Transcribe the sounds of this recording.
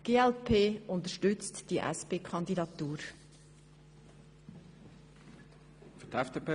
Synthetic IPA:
ɡ̥eːɛlpʰeːʔʊnt̪əʃtʏt͡std̥iʔɛ̰speːkʰχɑnd̪idɑt̪ːuːɾ | fytɛfd̥eːpʰeː

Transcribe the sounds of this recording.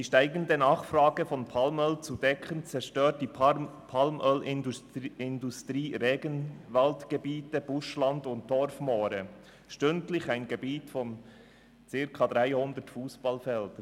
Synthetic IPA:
d̥iːʃtaɪɡəndənɑːχfraːɡəfɔnpʰalmœlt͡sudɛkʰənt͡sɛɾʃtøːt̚d̥iːpʰalmʔœlɪɪndustʁiːʁeːɡənvaltɡ̥əbiːtəb̥ʊʃlɑndʊnt̚d̥ɔɾfmɔːɾə | ʃtʏntlɪçaɪnɡəbiːtfɔn | t͡sɪɾkʰɑd̥ʁaɪhʊndətfuːsb̥ɑlfɛld̥ə

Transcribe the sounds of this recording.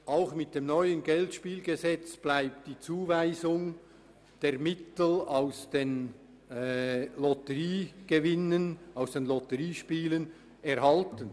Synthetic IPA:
ʔaʊxmɪt̚d̥eːmnɔʏənɡɛltʃpiːlɡ̥ezɛt͡sb̥laɪp̚t̚d̥iːt͡suːvaɪzʊŋ | d̥eːʁmɪtl̩aʊsd̥eːn | lɔtəʁiːɡ̥evɪnənaʊsd̥eːnlɔtəʁiːʃpiːlən | ɛʁhɑltən

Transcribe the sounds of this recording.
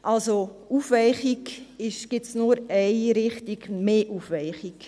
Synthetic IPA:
ʔɑlsoʔufvɛɪχikɪʃɡ̥ɪtsnuɾɛɪɾɪχtiɡmeːʔufʋɛɪχik

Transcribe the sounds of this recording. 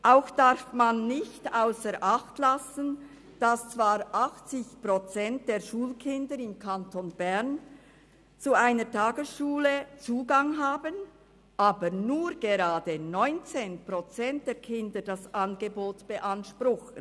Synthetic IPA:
ʔaʊxd̥aɾfmanːɪçtaʊsəɾʔaxtlasən̩ | d̥ast͡sv̥aːɾʔaxt͡sɪçpʁ̥ot͡sɛnt̚d̥eːɐʃuːlkʰɪndəɾɪmkʰantʰonb̥ɛʁn | t͡suaɪnətʰaːɡəsʃuːlət͡suːɡaŋɦaːbən | ʔaːbənuːɾɡ̥eɾaːdənɔʏnt͡seːnpʁ̥ot͡sɛnt̚d̥eːɐkʰɪndəd̥asʔanɡəboːtb̥əʔanʃprʊxən

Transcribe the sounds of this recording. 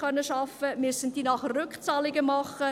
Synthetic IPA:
œnːəʃɑfəmʏsəntd̥iːnɑχrʏkt͡sɑːlɪɡəmɑχə

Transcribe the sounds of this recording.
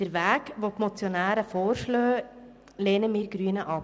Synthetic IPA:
d̥əɾʋæːɡʋotmot͡sjonæːɾəfoːɾʃløː | leːnəmiːɾɡɾyːənəʔɑp

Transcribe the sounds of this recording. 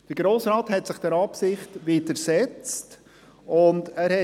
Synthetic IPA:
d̥əɾɡ̥ɾoːsɾɑːthɛtsɪχd̥ɛɾɑpsɪχtʋiːdəɾsɛt͡st | ʊndæːɾhɛ

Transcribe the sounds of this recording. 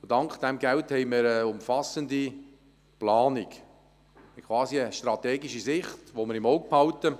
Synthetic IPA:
ʊdɑŋkχd̥̪ɛmɡælthɛɪmɪɾəʊmfɑsəndi | plɑːnik | əkʰʋɑːsiəʃtrɑt̪ɛːɡiʃisɪχtʋoməɾɪmɔʊɡ̚phɑltə

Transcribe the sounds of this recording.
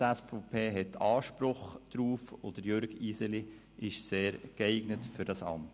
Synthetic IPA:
ɛsfopʰeːɦɛtʰːɑːʃpɾʊχd̥ɾuːfod̥əɾjøɾɡisəli | ʔɪʃseːɾkɛɪɡnətfʏɾd̥ɑsɑ̰mt

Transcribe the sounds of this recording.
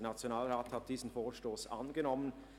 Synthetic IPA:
nat͡sjonaːlʁaːthat̚d̥iːzn̩foːʃtoːsʔa̰nɡənɔmən

